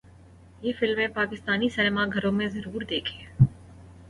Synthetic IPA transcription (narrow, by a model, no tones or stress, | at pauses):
jeːfɪlmẽpaːkɪst̪aːnisɛnmaɡʱɐɾõmẽzɐɾuːɾd̪eːkʰeː